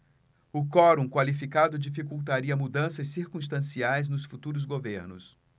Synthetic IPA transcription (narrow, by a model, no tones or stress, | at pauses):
ʊkɔɾũkwalifikad̪ʊd͡ʒifikuwt̪aɾiɐmud̪ɐ̃sɐssiɾkũst̪ɐ̃siajznʊsfut̪uɾʊz̬ɡoveɾnʊ̰s